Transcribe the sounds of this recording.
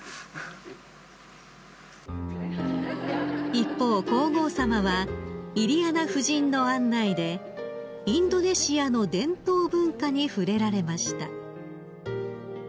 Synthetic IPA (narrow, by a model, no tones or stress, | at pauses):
ipːo̞ːko̞ːɡo̞ːsamaβaiɾʲianaɸɯ̟ʑĩnːo̞ãnːaid̪e̞ | ĩnd̪o̞ne̞ɕiano̞d̪ẽ̞nt̪o̞ːbɯ̟̃ŋkaɲ̟iɸɯ̟ɾe̞ɾaɾe̞maɕi̥t̪a̰